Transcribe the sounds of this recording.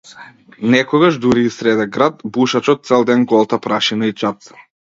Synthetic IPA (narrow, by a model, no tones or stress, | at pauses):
nɛkɔɡaʒd̪uɾiːsɾɛd̪ɛɡɾat̪buʃat͡ʃɔt̪̚sɛlˠd̪ɛnɡɔlˠt̪apɾaʃinait͡ʃat̪sḁ